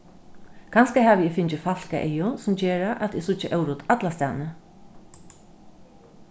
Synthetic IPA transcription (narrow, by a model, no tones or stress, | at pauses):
kʰanskahaʋɪɪfɪnt͡ʃɪfal̥kaʔejʊsʊmt͡ɕɛːɾaʔat̪ɪsʊt͡ʃːɪʔœwɾʊt̪at̪last̪a̰ːnə